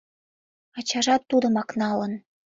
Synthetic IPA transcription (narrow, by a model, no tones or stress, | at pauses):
ɑt͡ɕɑʒɑt̪ːud̪ə̆mɑknɑlən